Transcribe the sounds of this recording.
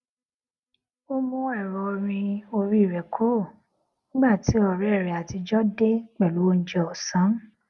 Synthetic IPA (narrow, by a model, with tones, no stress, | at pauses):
o˦mũ˧ɛ˦˨ɾɔ˨˧ɾ̃ĩ˧o˧ɾi˦i˦˨ɾɛ˨kʰu˦˨ | nĩ˦ɡ͡ba˦˨ti˨˦ɔ˦˨ɾɛ˦˨ɾɛ˨a˨ti˧d͡ʒɔ˦de˦k͡pɛ˦˨lu˨˦wo˧n̩˦d͡ʒɛ˧ɔ˨sã˨˦